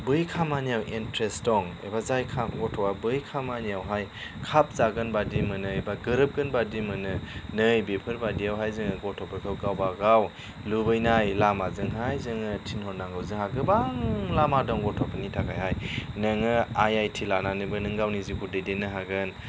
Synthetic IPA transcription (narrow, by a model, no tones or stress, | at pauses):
bɯjkʰamanijawʔentɾestɔŋḛbazajkʰamɡɔtʰɔwabɯjkʰamanijawɦajkʰap̚zaɡɯnbadimɯnɯebaɡɯɾɯp̚ɡɯnbadimɯnɯnɯjbepʰɯɾbadiawɦajzɯŋɯɡɔtʰɔpʰɯkʰɯwɡawbaɡaw | lubɯjnajlamazɯŋɦajzɯŋɯtʰinhɔɾnaŋɡɯwzɯŋhaɡɯbaŋlamadɔŋɡɔtʰɔpʰɯnitʰakʰa̰jhajnɯŋɯajajtʰilananɯbɯnɯŋɡawnizikudɯjdenɯɦaɡɯn